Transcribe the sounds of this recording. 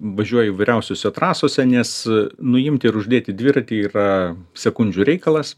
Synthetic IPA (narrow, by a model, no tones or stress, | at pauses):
ʋɐʒʲuɔjɛiːʋɐɪɾʲɛʊsʲoːsʲɛt̪ɾɑːsoːsʲɛnʲɛsnʊjɪmʲt̪ʲɪːɾʊʒʲd̪ʲeːt̪ʲɪd̪ʲʋʲɪɾɐt̪ʲiiːrɐsʲɛkʊnʲd͡ʒʲuːɾʲɛɪkɐlˠɐs